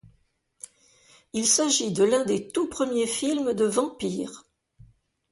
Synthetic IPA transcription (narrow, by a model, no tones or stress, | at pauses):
ilsaʒid̪əlɛ̃d̪et̪upχəmjefilmd̪əvɑ̃piːʁ